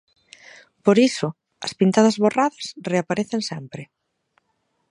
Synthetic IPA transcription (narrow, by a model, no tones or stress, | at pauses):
poɾisʊ | ɐ̰spint̪aðɐzβoraðɐsreapaɾeθeŋsɛmpɾɪ